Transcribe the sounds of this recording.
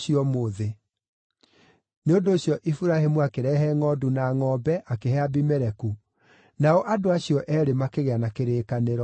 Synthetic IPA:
iɔmoːðe | neondoːɕjɔʔifuɾahemuakeɾɛɦɛŋɔdunaŋɔbɛʔakehɛabimɛɾɛku | naɔʔadoaɕiɔʔɛːɾemakeɣeanakeɾeːkaneɾɔ

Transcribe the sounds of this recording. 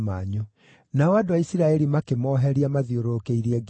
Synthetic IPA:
maɲo | naɔadowaisiɾaɛɾimakemɔːɦɛɾiamaðioɾokeiɾɛɡ

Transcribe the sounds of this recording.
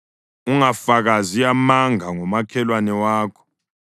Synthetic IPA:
uŋafaɣazijamaŋaŋɔmakʰɛlwanɛwaːkʰɔ̥

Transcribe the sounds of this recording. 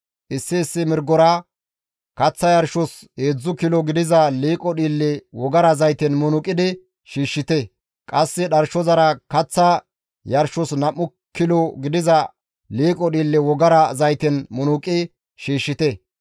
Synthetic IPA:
ʔɪsːɪːsːɪmɪɾɡɔɾa | kɐt͡sːɐjɐɾʃɔs | heːd͡zːʊkɪlɔɡɪd̪ɪzɐliːkʼɔɗiːlːɛwɔɡɐɾɐzɐjt̪ɛnmʊnʊkʼɪd̪ɪ | ʃiːʃːɪt̪ɛ | kʼɐsːɛɗɐɾʃɔzɐɾɐkɐt͡sːɐ | jɐɾʃɔsnɐmːʊ | kːɪlɔɡɪd̪ɪzɐ | liːkʼɔɗiːlːɛwɔɡɐɾɐzɐjt̪ɛnmʊnʊkʼɪ | ʃiːʃːɪt̪ɛ

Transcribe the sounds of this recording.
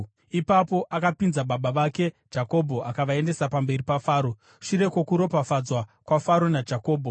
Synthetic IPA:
ipapo̞ʔakapinzaɓaɓaʋake̞̥ | d͡ʒako̞bʱo̞ʔakaʋae̞nde̞sapambe̞ripafaːɾo̞ | ʂiɾe̞kokuɾo̞pafad͡zwakwafaɾo̞nad͡ʒako̞ːbʱo̞

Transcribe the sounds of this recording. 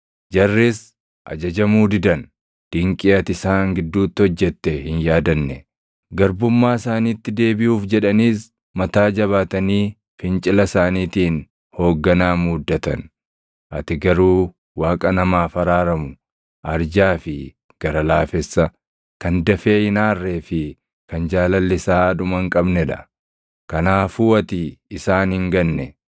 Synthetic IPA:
d͡ʒɐrːɪs | ʔɐ̰d͡ʒɐd͡ʒɐmuːd̪ɪd̪ɐn | d̪̥ɪŋkʼɪɐt̪ɪsaːŋɡɪd̪ːuːt̪ːɪhɔd͡ʒːɛt̪ːɛhɪnjaːd̪ɐnːɛ | ɡɐɾbʊmːaːsaːniːt̪ːɪd̪e̞ːbɪjuːfd͡ʒɛᶑɐniːs | mɐt̪aːd͡ʒɐβaːt̪ɐniː | fɪnt͡ʃʼɪlɐsaːniːt̪iːn | ho̞ːɡːɐnaːmuːd̪ːɐt̪ɐ̰n | ʔɐt̪ɪɡɐɾuː | waːkʼɐnɐmaːfɐɾaːɾɐmʊ | ʔɐɾd͡ʒaːfɪ | ɡ̥ɐɾɐlaːfɛsːɐ | kɐnd̪ɐfe̞ːɪnaːrːeːfɪ | kɐnd͡ʒaːlɐlːɪsaːd̪ʊmɐŋkʼɐbnɛᶑɐ̰ | kɐnaːfuːɐt̪ɪːsaːnhɪŋɡɐnːɛ

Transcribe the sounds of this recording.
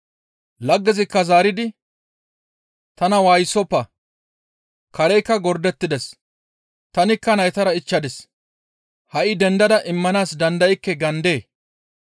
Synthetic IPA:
lɐɡːɛzɪkːɐzaːɾɪd̪ɪ | t̪ɐnɐwaːjsɔpːɐ | kɐɾɛjkːɐɡɔɾd̪ɛt̪ːɪd̪ɛs | t̪ɐnɪkːɐnɐjt̪ɐɾɐɪt͡ʃːɐd̪ɛs | hɐʔɪd̪ɛnd̪ɐd̪ɐʔɪmːɐnaːsd̪ɐnd̪ɐjɪkːɛɡɐnd̪e̞ː

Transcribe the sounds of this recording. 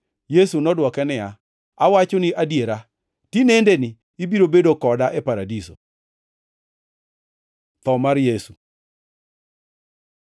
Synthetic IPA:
jesunɔdwɔkɛnɪja | awat͡ʃonɪʔadjeɾa | tinendenɪː | biɾobedokɔdaʔɛpaɾadiso̰ | t̪ɔmaɾjesu

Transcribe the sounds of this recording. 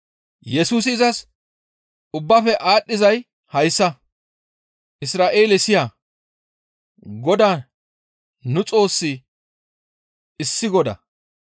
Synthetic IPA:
jɛsuːs̬ɪːzɐs | ʊbːɐfɛʔaːɗːɪzɐj | hɐjsːɐ | ʔɪsɾaːʔe̞ːlɛsɪja | ɡɔd̪aː | nʊt͡sʼo̞ːsːɪ | ɪsːɪɡɔd̪ɐ̰

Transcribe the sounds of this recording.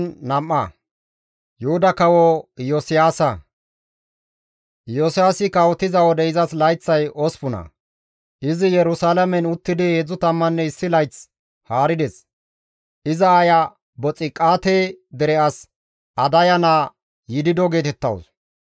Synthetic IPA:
nːɐmʔːɐ | jʊhʊd̪ɐkɐwɔjɔsɪjaːsɐ | josɪjaːsɪkɐwɔt̪ːɪzɐwɔd̪ɛɪzɐslɐjt͡sːɐjɔspʊnɐ̰ | ʔɪzɪjɛɾʊsaːlɐmɛnʊt̪ːɪd̪ɪed͡zʊt̪ɐmːɐnːɛɪsːɪlɐjt͡s | haːɾɪd̪ɛs | ɪzɐaja | bɔt͡sʼːɪkʼaːt̪eːd̪ɛɾɛʔɐs | ɐd̪ɐjɐnaː | jɪd̪ɪd̪ɔɡe̞ːt̪ɛt̪ːɐ̰ws

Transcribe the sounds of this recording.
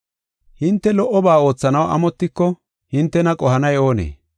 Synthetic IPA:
hɪnt̪ːɛlɔʔːɔbaːo̞ːt͡sːɐnɐwɐ̰mɔt̪ːɪkːɔ | hɪnt̪ːɛnɐkʼɔhɐnɐjo̞ːnḛː

